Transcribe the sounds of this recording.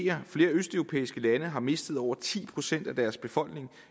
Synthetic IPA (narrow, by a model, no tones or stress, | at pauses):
ɐfle̝ːɐøsd̥œʊʁo̝pʰḛːisɡ̥əlænəɦɑ̈me̝sd̥ð̞̩ˠɒʊ̰ɐt͡sʰḭːpʰʁo̝sen̰d̥æd̥æɐsb̥e̝fɒ̽l̰ɡ̥ne̝ŋ